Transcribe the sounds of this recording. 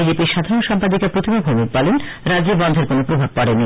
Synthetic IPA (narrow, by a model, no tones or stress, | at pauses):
id͡ʑepiɾʃad̪ʱaɾonʃampad̪ikapɾot̪ʰimabʱomik̚palenɾad͡ʑibɔnd̪ʱeɾkonopɾobʱab̚pɔɽenːi